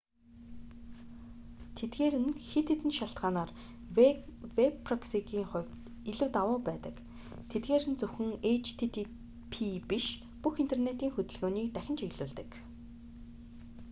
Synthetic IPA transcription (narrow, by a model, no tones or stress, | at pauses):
t̪ʰet̪ɡeːɾɘ̆nxet̪ʰet̪ɘ̆nʃaɬt̪ɢaːnaːr | wepːʰrɔksikiːŋχʊ̟wʲ | iɮɘ̆wt̪awʊːpæːt̪ə̰̆k | t̪ʰet̪̚ɡeːɾɘ̆nt͡sɵwxɘ̆ŋet͡ɕʰt̪ʰet̪ʰ | pʰipiʃ | puxin̥t̪ʰernet̪iːŋxɵt̪ɵ̆ɮɣoːniːkt̪æxʲɪ̆nt͡ɕeɣɮuːɮt̪ɘ̆k